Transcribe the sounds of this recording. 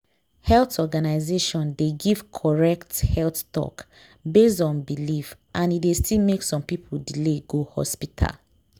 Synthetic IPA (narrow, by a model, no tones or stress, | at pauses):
hɛltɔɡanaɪzeʃɔ̃ndeɡiv̥kʰɔɹɛkthɛlttɔ̰k | besdɔ̃nbilifʔãnidestʰilmeksɔ̃mpipʰol̩dileɡohɔ̰spitʰa̰l